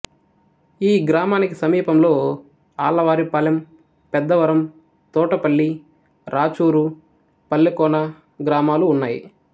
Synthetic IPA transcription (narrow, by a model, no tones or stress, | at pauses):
iːɡɾaːmaːnikisɐmiːpɐmlo̞ː | a̰ːlɐʋaːɾipɐlɐm | pɛd̪ːɐʋɐɾɐm | t̪ɔːʈɐpɐɭːi | ɾʔaːt͡ʃuːɾu | pɐlːekɔːnɐ | ɡɾaːmaːluːnːaːjḭ